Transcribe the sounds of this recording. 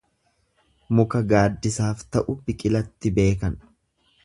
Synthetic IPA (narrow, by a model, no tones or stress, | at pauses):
mʊkɐɡaːd̪ːɪsaːft̪ɐʔʊbɪkʼɪlɐt̪ːɪbe̞ːkɐn